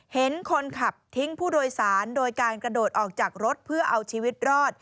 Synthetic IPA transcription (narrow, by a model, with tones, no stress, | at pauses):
he˩˦nkʰo˧nkʰa˨˩p̚t̪ʰi˦˥ŋpʰuː˥˩doː˧jsaː˩˦ndoː˧jkaː˧nkɾa˧doː˨˩t̪̚ʔɔː˨˩k̚t͡ɕaː˨˩k̚ɾo˦˥t̪̚pʰɯ˥˩ɐʔa˧wt͡ɕʰiː˧wi˦˥t̪̚ɾɔː˥˩t̪̚